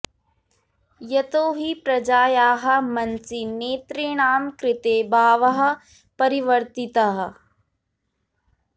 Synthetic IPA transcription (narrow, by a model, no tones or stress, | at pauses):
jɐt̪oːɦipɾɐd͡ʒaːjaːɦɐ̆mɐnsineːt̪ɾiɳaːmkɾɪt̪eːbaːʋɐɦɐ̆ | pɐɾiʋɐɾt̪it̪aɦɐ